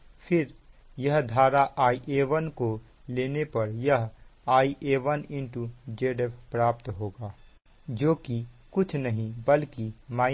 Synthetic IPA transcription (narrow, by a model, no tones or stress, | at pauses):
pʰɪɾ | jəɦd̪ʱaːɾaʔaːiʔeːʋənko | leːnepɐɾjəɦaːiʔeːʋənɪ̃ɳʈud͡ʒeːɖepʰpɾaːpt̪ɦoːɡaː | d͡ʒoːkikʊt͡ʃʰnəɦĩbəlkimaː